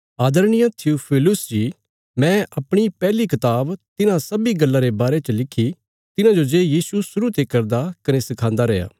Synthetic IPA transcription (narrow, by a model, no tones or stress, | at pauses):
aːd̪əɾnɪjãt̪ʰiupʰɪːlʊsd͡ʒi | mɛ̃ʔɐpɽ̃ipɛːlikɐt̪aːbt̪ɪnãsɐbiɡɐlːãɾebaːɾet͡ʃəlɪkʰːi | t̪ɪnãd͡ʒod͡ʒeːjiːsusʊɾut̪ekɐɾd̪akɐnesɪkʰãːnd̪aɾɛːja̰ː